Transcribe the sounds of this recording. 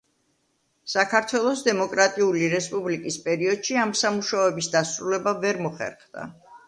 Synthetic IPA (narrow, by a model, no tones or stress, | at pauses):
sakʰaɾt̪ʰwɛlˠɔsd̪ɛmɔkʼɾat̪ʼiuliɾɛspʼublikʼispʼɛɾiɔd̪̥ʃiamsamuʃaɛbisd̪asɾulɛbavɛɾmɔχɛ̰ɾχd̪̥a̰